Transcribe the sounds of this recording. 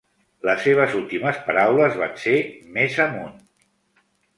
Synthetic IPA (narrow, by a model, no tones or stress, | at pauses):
ləseβ̞əzulˠt̪iməspəɾawləzβansemezəmun